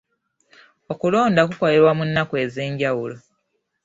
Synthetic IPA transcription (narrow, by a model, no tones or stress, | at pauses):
okulo̞ːndakuko̞le̞ɾwamunːakwe̞ːze̞ːɲɟawulo̞